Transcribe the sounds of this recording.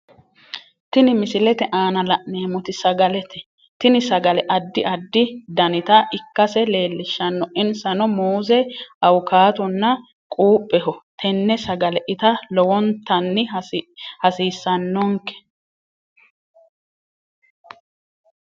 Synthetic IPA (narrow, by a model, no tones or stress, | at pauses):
t̪ɪnɪmɪsɪlɛt̪ɛʔaːnɐlɐʔneːmɔt̪ɪsɐɡɐlɛt̪ɛ | t̪ɪnɪsɐɡɐlɛʔɐd̪ːɪʔɐd̪ːɪd̪ɐnɪt̪ɐʔɪkːɐsɛle̞ːlːɪʃːɐnːɔʔɪnsɐnɔmoːzɛʔɐwʊkaːt̪ɔnːɐ | kʼuːpʼːɛhɔt̪ʰɛnːɛsɐɡɐlɛʔɪt̪ɐlɔwɔnt̪ːɐnːɪ | hɐsiːsːɐnːɔŋkɛ̥